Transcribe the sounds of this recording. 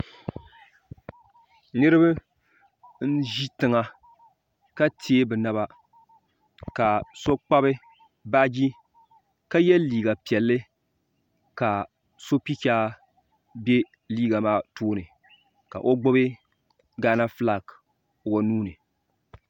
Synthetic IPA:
nɨ˦ɾɨ˦bɨ˦ | n̩˦ʒi˦tɨ˨ŋa˦ | ka˦tʰe˦e˦bɨ˨na˨βa˦ | ka˨so˦k͡pa˦bɨ˦ | ba˦d͡ʒi˦ | ka˦jɛ˦liː˨ɡa˨pi˨ɛ˨lːɨ˦ | ka˨ | so˦pi˦kʲaː˦ | be˦ | liː˦ɡa˨maː˦toː˦nɨ˨ | ka̰˨ʔo˦ɡ͡bʊ˦bɪ˦ | ɡaː˦na˦fla˦˨k | wa˨nuː˦nɨ˨

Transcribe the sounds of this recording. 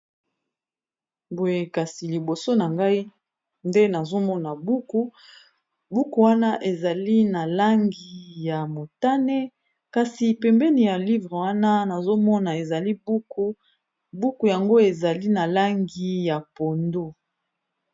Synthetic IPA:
bo˨je˨ka˨si˨li˨bo˨so˦na˨ŋɡa˦i˦ | nde˦na˨zo˦mɔ˦na˨bu˦ku˦ | bu˦ku˨wa˦na˦ʔe˨za˨li˦na˨la˦ŋɡi˨ja˨mo˨ta˦ne˦ | ka˨si˨pɛ˨mbɛ˦ni˨ja˨li˦vʁe˨wa˦na˦na˨zo˦mɔ˦na˨e˨za˨li˦bu˦ku˦ | bu˦ku˨ja˨ŋɡo˦e˨za˨li˦na˨la˦ŋɡi˨ja˨po˨ndo˦

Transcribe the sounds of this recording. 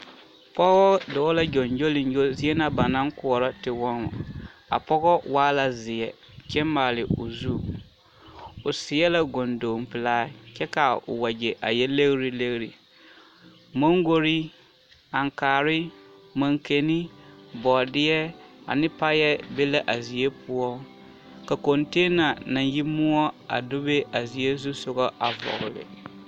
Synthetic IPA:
pɔ˦ɣɔ˦dɔ˨˦la˦d͡ʒɔ˨nd͡ʒo˦lɪ˨nd͡ʒo˦zɪ˦ɛ˦na˨ba˨na˦ŋkʊ˨ɔ˨ɾɔ˦tɪ˨wɔ˦nɔ̰˨a̰˨pɔ˦ɣɔ˦waː˦la˨zɪ˨ɛ˨ | t͡ʃɛ˦mmaː˨lɪ˨ʊ̰˨zuː˦˨ | ʊ˨sɪ˨ɛ˦la˦ɡo˨ndoː˨m˨pɪ˨laː˦t͡ʃɛ˦ka˨ʊ̰˨wa˨d͡ʒe˨ʔa̰˨jɛ˦le˦ɣɾi˦le˦ɣɾi˨ | mo˦ŋ˦ɡo˦ɾi˦ | a˨ŋkaː˨ɾɪ˦ma˨ŋke˨ni˦bɔ˨dɪ˦jɛ˦a̰˨nɪ˦pa˦jɛ˦be˦la˦ʔa˨zi˨e˦pʰʊ˦ɔ˦ | ka˨kɔ˨nteː˦na˨na˨nji˦mʊ˦ɔ˦a̰˨do˦be˦a˨zi˨e˦zu˦sʊ˦ɡɔ˦ʔa˨vɔ̰˨ɣʊ˨lɪ̰˨

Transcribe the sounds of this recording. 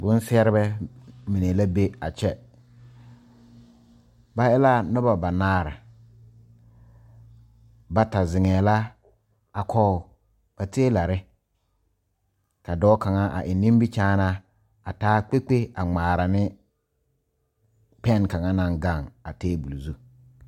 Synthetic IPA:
bʊ˦n˦sɪ˦ɛ˦ɾɪ˦bɛ˦mi˨ne˨la˦be˦a˨t͡ʃɛ˦ | ba˨ɪ˦la˦nɔ˦ba˨ba˨naː˦ɾɪ˨ | ba˨ta˨zɪ˨ŋɛː˨la˦ | a˨kʰɔ˦˨ | b̥a˨teː˦la˨ɾɪ˦ | ka˨dɔː˦ka˨ŋa˦ʔa̰˨ʔɪ˨nɪ˦m˦bi˦t͡ʃaː˦na˦ | a˨taː˦k͡pe˦k͡pe˦a˨ŋ͡maː˨ɾa˨nɪ˦ | pɛ˦˨nka˨ŋa˦na˨ŋɡa˦˨ŋa˨teː˦bu˨lu˨zu˦

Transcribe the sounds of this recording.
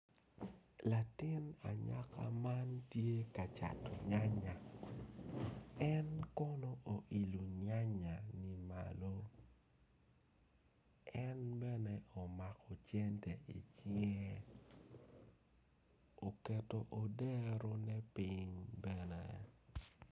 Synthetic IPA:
la˨tɪ˦na̰˨ɲa̰˦kʰa̰˦ma˦ntje˦ka˨t͡ʃa̰˨to˨ɲa˦ɲa˨ | ɛ˦nkɔ˦no˦ʔo˨ʔi˨lu˨ɲa˦ɲa˨ni˨ma̰˨lo˦ | ɛ˦nbɛ˦nɛ˦ʔo˨ma˨kɔ˨t͡ʃjɛ˦ntɛ˨ʔi˨t͡ʃi˦ŋɛ˦ | o˨kɛ˨to˨ʔo˨dɛ˦ɾo˦nɛ˦piɲbɛ˦nɛ̰˨

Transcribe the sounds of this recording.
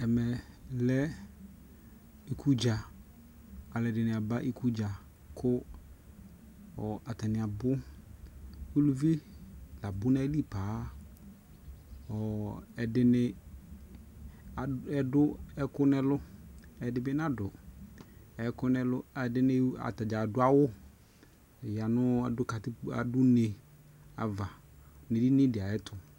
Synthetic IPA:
ɛ˨mɛ˨lɛ˦ | i˨kʰu˦d͡ʒa˨ | a˨lɛ˨dɪ˨nɪ˨a˨ba˦ʔi˦ku˦d͡ʒa˨ | kʰʊ˦ | ɔ˨a˨tɛ˨nɪ˨a˨bʊ˦ | o˦lu˦vi˦la˨bʊ˦na˦li˦˨paː˨˦ | ɔ˨ɛ˨dɪ˦nɪ˦˨ | ɛ˨dʊ˦ɛ˦kʊ˦nɛ˦lʊ˦ɛ˨dɪ˦bɪ˦n˦a˦dʊ˨ | ɛ˨kʊ˦nɛ˦lʊ˦ɛ˨dɪ˦nɪ˦a̰˨ta˨d͡ʒa˨dʊ˦a˦wʊ˦˨ | ja˨nʊ˦a˨dʊ˦ka˨tɪ˦a̰˨dʊ˦ne˨ | a̰˨va˨ | ne˨di˦nɪ̃˦dɪ˨a˨ɛ˦tʰʊ˨

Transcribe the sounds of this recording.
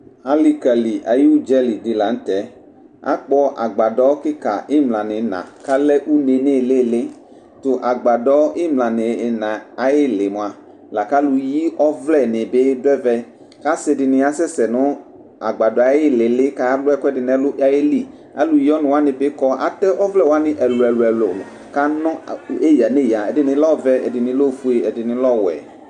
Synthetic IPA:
a˦li˦ka˨li˨ʔa˨ji˦u˦d͡ʒɛ˦li˨dɪ˨la˨n̩˦t̪ɛ˨˦ | a̰˦k͡pɔ˦ʔa˨ɡ͡ba˨dɔ˦kɪ˦ka̰˨ʔɪ˦mlã˨nɪ˨nã̰˨ka˦lɛ˦ʔu˦ne˨ne˦˨le˦˨lɪ˦ | t̪o˨ʔa˨ɡ͡ba˨dɔ˦ɪ˦mlã˨nɪ˨nã˨a˨jɪ˦lɪ˨mo˨a˨ | la˨ka˦lu˨ji˦ɔ˦vlɛ˦˨nɪ̃˨be˦dɛ˦vɛ˦ | ka˦sɪ˨dɪ˨nɪ˨a˦sɛ˦sɛ˨nʊ˦ | a̰˨ɡ͡ba˨dɔ˨a˨˦jɪ˦lɪ˨lɪ˦ka˦lʊ˦ɛ˦kʷɛ˦dɪ˨nɛ˦lʊ˦a˦je˦li˦ | a˨lu˨ji˦ɔ˦nʊ̃˨wa˦nɪ̃˨bɪ˦kɔ˦a̰˨t̪ɛ˦ʔɔ˦vlɛ˦wa˦nɪ˨ʔɛ˨lʊ˨ɛ˨lʊ˨ɛ˨lʊ˨ | ka˦nɔ̃˦e˦ja˨ne˦˨ja˨ɛ˨dɪ˨nɪ̃˨˦lɔ˦vɛ˦ɛ̰˨dɪ˨nɪ̃˨lo˦˨fu˦e˨ɛ˨dɪ˨nɪ̃˨lɔ˦wɛ̰˨

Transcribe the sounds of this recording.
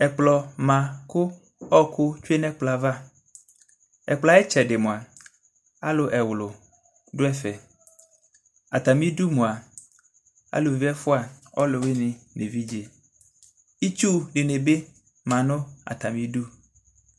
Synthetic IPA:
ɛ˨k͡plɔ˨mã˨kʊ˦ | ɔ˦kʊ˦t͡ʃu˦e˦nɛ̃˦k͡pla˨va˦ | ɛ̰˨k͡pla˦ɛ˦t͡ʃɛ˨ɖe˨mõ˨a˨ | a˦lo˨ʔɛ˨wlʊ˨ | ɖʊ˦ɛ˦fɛ˨ | a˨t̪a˨mĩ˦du˦mũ˨a˨ | a̰˦lo˨vi˦ɛ˦fʊ˦a˨ɔ˦lo˨we˦ni˨ne˨vi˦d͡ʒe˨ | i˦t͡ʃu˦ɖe˨ne˨be˦ | mã˨nʊ̃˦a̰˨t̪a˨mĩ˦ɖu˦

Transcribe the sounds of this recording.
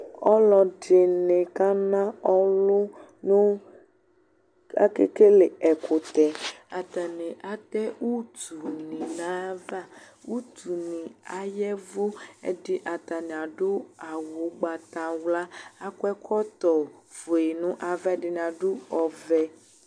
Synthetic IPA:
ɔ˦lɔ˨ɖɪ˨nɪ̃˨ka˦nã˦ɔ˦lʊ˦ | nʊ̃˦ | a̰˦kḛ˦ke˦le˨ɛ˨kʰʊ˨t̪ɛ˨a˨t̪a˨nɪ̃˨ʔa˨t̪ɛ˦u˦t̪u˨nĩ˨nã˦va˦ | u˦t̪u˨nĩ˨a˨jɛ˦vo˦ɛ̰˦dɪ˦ʔa˨t̪a˨nĩ˨a˨ɖʊ˦a˨wʊ˨˦ɡ͡ba˨t̪a˨wla˦a˦kwɛ˦kʰɔ˦t̪ɔ˨vo˨e˨nʊ̃˦ʔa˨va˦dɪ˨˦n˨a˨ɖʊ˦ɔ˨vɛ˦

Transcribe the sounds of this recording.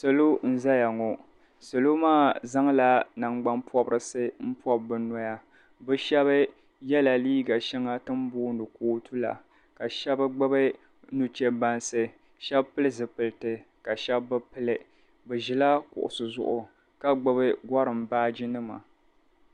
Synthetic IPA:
sɨ˨lo˦n̩˦za˦ja˨ŋɔ˨ | sɨ˨lo˦maː˦˨za˦ŋla˨na˨ŋ͡mɡ͡ba˦npɔ˦bɾɨ˨sɨ˦m̩˦pɔ˦b̚bɨ˨nɔ˦ja˦ | bɛ˦ʃɛ˦βɨ˦ | jɛ˦la˨liː˦ɡa˨ʃɛ˦ŋa˦tɨ˦m˦bʊː˦nɨ˨kuː˦tu˦la̰˨ | ka˨ʃɛ˦bɨ˦ɡ͡bɨ˦bɨ˦ | nu˨t͡ʃɛ˦ba˦nsɨ˨ | ʃɛ˦bpɨ˦lɨ˦zɨ˨pɨ˨ltɨ˨ | ka˨ʃɛ˦bːɨ˦pɨ˦lɨ˨ | bɛ˨ʒɪ˨la˦kʊ̰˨ʔʊ̰˨sɨ˨zʊ̰˦˨ʔʊ˨ | ka˦ɡ͡bɨ˦bɨ˦ɡɔ˦ɾɨ˨mbaː˦d͡ʒi˦nɨ˦ma̰˨

